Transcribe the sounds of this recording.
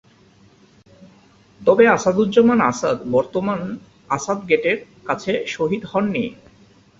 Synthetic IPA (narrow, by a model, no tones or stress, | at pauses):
t̪ɔbeasad̪udd͡ʑɔmanasad̪bɔɾt̪oman | asad̪ɡeʈeɾ | kat͡ɕʰeʃoɦid̪hɔnːḭ